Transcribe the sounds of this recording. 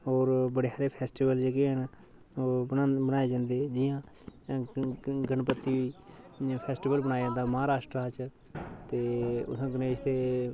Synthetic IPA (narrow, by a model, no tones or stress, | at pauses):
ɦoːɾbəɽeːɦaːɾeːpʰɛːsʈiːbəld͡ʒeɡeːəɳ | oːbənaːeːd͡ʒãːnd̪eːd͡ʒɪjãː | ɡənpət̪ːiːʋiː | pʰɛːsʈiːbəlbənaːed͡ʒãːnd̪aːməɦaːɾaːʃʈɾaːt͡ʃ | t̪eːʊ̰sãːɡəneːʃt̪eː